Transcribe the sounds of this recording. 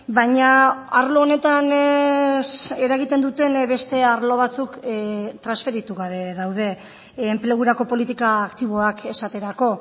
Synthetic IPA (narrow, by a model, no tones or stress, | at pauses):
bajɲaaɾlo̞ːne̞t̪an | se̞ɾaɣit̪e̞nd̪ut̪e̞nβe̞st̪e̞aɾlo̞β̞at͡sukt̪ɾansfe̞ɾit̪uɣaβe̞ðawð̞e̞ː | mple̞ɣ̞uɾako̞po̞lit̪ikaːkt̪iβ̞o̞ake̞sat̪e̞ɾako̞